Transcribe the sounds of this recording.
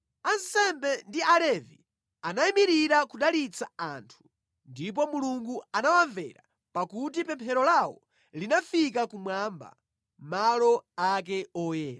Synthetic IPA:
ansɛmbɛndialɛvi | anaimiɾiɾakuɗalit͡saantʰu̥ | ndip̬ɔmuluŋɡuanawaɱvɛ̰ɾa | pakutipɛmpʰɛɾɔlawɔ | linafik̬akumwamba̰ | malɔak̬ɛɔjɛːɾa

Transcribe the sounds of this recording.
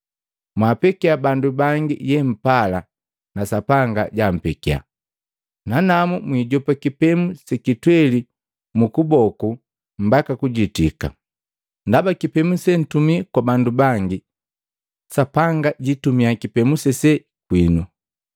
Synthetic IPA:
mwapɛkiabandubaŋɡḭjɛm̩pala | nasapaŋɡaɟam̩pɛkia̰ | nanamumwiːɟɔpakipɛmusɛkitwɛli | mukubɔku | m̩bakakuɟitika̰ | ndabakipɛmusɛn̩tumikwabandubaŋɡi | sapaŋɡaɟitumiakipɛmusɛsɛ | kwinu

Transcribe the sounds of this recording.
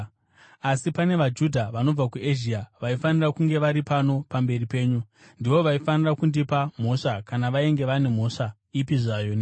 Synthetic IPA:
asipane̞ʋad͡ʒudʱaʋano̞b͡vakueʒiaʋaifanirakuŋɡe̞ʋaɾipano̞pambe̞ripe̞ːɲu | ndiʋo̞ʋaifanirakundipam̤o̞ʂakanaʋaeŋɡe̞ʋane̞m̤o̞ːʂa | ipiʐajon

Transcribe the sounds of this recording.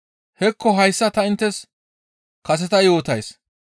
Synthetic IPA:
hɛkʰːɔɦɐjsːɐt̪ɐɪnt̪ːɛs | kɐs̬ɛt̪ɐjo̞ːt̪ɐjs

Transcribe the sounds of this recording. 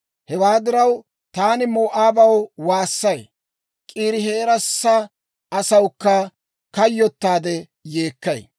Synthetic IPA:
hɛwaːd̪ɪɾɐw | t̪aːnɪmoːʔaːbɐwwaːsːɐj | kʼiːɾɪɦeːɾɐsːɐ | ʔɐsɐwkːɐ | kɐjːɔt̪ːaːd̪ɛ | jeːkːɐj

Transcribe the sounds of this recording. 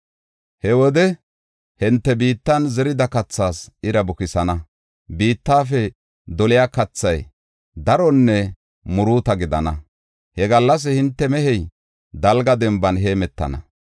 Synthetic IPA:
hɛwɔd̪ɛ | hɪnt̪ːɛbiːt̪ːɐnzɛɾɪd̪ɐkɐt͡sːaːsɪɾɐbʊkɪsɐnɐ | biːt̪ːaːfɛ | d̪ɔlɪjaːkɐt͡sːɐj | d̪ɐɾɔnːɛ | mʊɾuːt̪ɐɡɪd̪ɐ̰nɐ | hɛɡɐlːɐs̬ɛhɪnt̪ːɛmɛhɛj | d̪ɐlɡɐd̪ɛmbɐnɦe̞ːmɛt̪ːɐ̰nɐ̰

